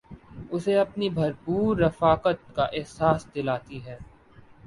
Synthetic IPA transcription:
ʊseɐpnibʱɐɾpuːɾːɐfaːkət̪kaʔɪɦsaːsd̪ɪlaːt̪iɦɛː

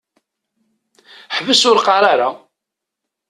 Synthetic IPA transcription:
ħvəsʊɾqɑɾˤaɾa

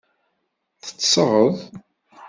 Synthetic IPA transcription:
θə̥t͡sːsəʁəðˤ

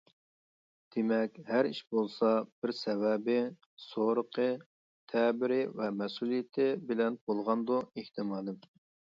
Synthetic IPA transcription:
d̪̥emɛkʲhæɾḭʃbolˠsɑb̥ɪɾsɛwɛbɪ | soɾəqʰə | t̪ʰɛbɪɾɪvɛmɛsulijɪt̪ʰɪbɪlɛnb̥olˠʁɑnd̪ueht̪ʰɪmɑːd̪ɪm

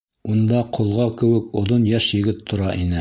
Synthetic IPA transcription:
und̪ɑqʰŏlˠʁɑkɘ̆wɘkŏðonjæʃjɘ̆ɡɘt̪ʰːŏɾɑʔinɘ

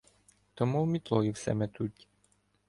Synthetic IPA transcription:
t̪ɔmuwmʲit̪lˠɔjiwsɛ̰mɛt̪utʲ

